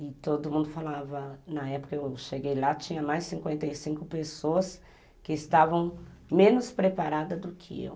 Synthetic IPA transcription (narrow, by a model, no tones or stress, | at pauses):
ɪt̪od̪ʊmũd̪ʊfalavɐnɐɛpʊ̥kɐewʃeɡejlat͡ʃĩɲɐmajssĩŋkwẽnt̪ɐjsĩŋkʊpesoɐs | kɪɪst̪avɐ̃w̃mẽnʊspɾepaɾad̪ɐd̪ʊkʰɪ̰ḛw